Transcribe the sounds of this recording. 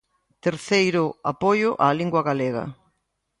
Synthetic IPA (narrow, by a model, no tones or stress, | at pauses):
t̪eɾθejɾʊapojʊʔaliŋɡwɐɣaleɣɐ̰